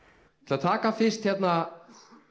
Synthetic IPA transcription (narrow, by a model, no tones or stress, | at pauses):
t̪ʰɪlat̪ʰaːkafɪst̪çɛt̪na